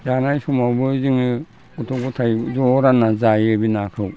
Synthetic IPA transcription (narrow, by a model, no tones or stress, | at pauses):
janajsumawbɯziŋɯ | utʰoɡutʰajzoɾanazajɯbinakʰɯw